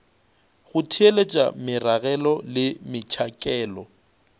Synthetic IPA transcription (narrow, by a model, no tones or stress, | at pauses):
ɣʊtʰielet͡ʃʼa̰mɪraɣɛlɔlɪmɪt͡ʃʰakʼɛːlɔ